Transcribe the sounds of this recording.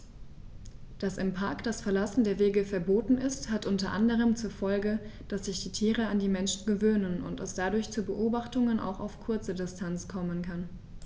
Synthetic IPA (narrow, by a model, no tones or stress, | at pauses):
d̥asɪmpʰaɐkd̥asfɛɐlasn̩deːɐveːɡəfɛɐboːtn̩ʔɪsthatʔʊntɐʔandəʁ̞əmt͡suːɐfɔlɡəd̥asz̥ɪçd̥iːtʰiːʁ̞əandiːmɛnʃn̩ɡəvøːnənʊ̰ntɛsd̥adʊɐçt͡suːbəʔoːbaχtʊŋənʔa̰ʊxa̰ʊfkʰʊɐt͡sədɪstʰant͡skʰɔmənkʰan